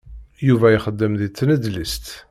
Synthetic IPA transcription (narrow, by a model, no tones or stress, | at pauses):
juvæjiχəd̪ːəmðit͡s̪ːnəd̪list̪